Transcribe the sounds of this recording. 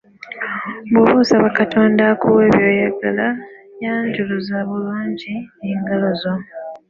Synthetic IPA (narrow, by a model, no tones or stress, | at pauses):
bwoβusaβakatʰo̞ːndakuwe̞ːβjo̞ːjaɡalajaːɲɟuluzaːβuluːɲɟineːŋɡalo̞zo